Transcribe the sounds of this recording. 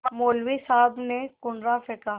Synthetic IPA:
moːlwisaːbnekʊɳɾafɪkaː

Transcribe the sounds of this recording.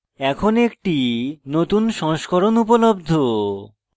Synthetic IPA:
ɛkʰonek̚ʈinot̪unʃɔŋʃkoɾonup̬olob̚d̪ʱo

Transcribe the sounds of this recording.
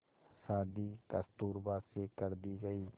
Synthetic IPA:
saːd̪iːkəst̪uːɾbaːd̪sekəɾd̪iːɡəiː

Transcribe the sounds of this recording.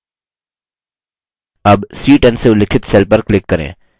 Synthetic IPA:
ɐbsiːʈɛnseʊlɪkʰɪt̪seːlpəɾklɪkːɐɾḛ̃ː

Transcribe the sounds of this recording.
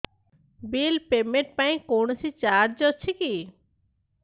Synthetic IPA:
bilpemeɳʈ̚paĩkonosʰit͡ɕaɾd͡ʑɔt͡ʃʰiki

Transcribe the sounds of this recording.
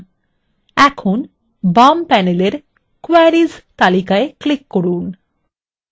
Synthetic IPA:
ɛkʰon | bampɛneleɾ | koaɾizt̪alikaeklikːoɾun

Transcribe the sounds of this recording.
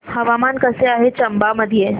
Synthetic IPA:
hɐʋaːmaːnkɐseaːɦet͡ʃɐmbaməd̪ʱije

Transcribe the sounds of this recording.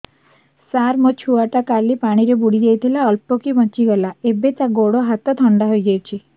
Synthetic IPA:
saɾmɔt͡ʃʰuaʈakalipaɽ̃iɾebuɽid͡ʒejt̪ʰilaɔlpɔkibɔt͡ʃiɡɔlaebet̪aɡoɽɔɦat̪ɔt̪ʰɔɳɖaɦojd͡ʒajt͡ʃʰi

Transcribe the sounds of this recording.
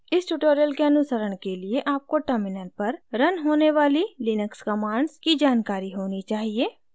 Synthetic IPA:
ɪsʈuʈoːɾijəlkeɐnʊsəɾəɽ̃kelieʔaːp̚koʈəɾmɪnəlpɐɾɾɐnɦoːneʋaːlilinəkskɐmaːɳɖskid͡ʒaːnkaːɾiɦoːnit͡ʃaːɦieː

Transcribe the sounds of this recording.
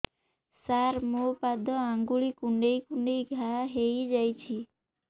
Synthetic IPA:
saɾmopad̪ʱɔãŋɡuɭikuɳɖejkuɳɖejɡʱaɦejd͡ʒajt͡ʃʰi

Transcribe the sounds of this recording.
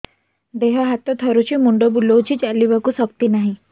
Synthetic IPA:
d̪eɦəɦat̪ːɔt̪ʰəɾut͡ɕimuɳɖobulowt͡ɕit͡ʃaliʋakusəkt̪inaɦĩ

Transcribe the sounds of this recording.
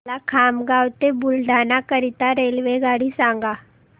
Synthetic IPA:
lakʰaːmɡaːwt̪ebʊlɖʱaːnakəɾit̪aɾeːlʋeɡaːɽisãːŋɡa

